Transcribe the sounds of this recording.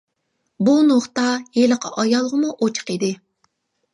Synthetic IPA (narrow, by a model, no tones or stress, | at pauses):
bunoχt̪ɑjeləqʰɑ̰ʔɑjɑlˠʁəmuʔot͡ʃʰə̥qid̪ɪ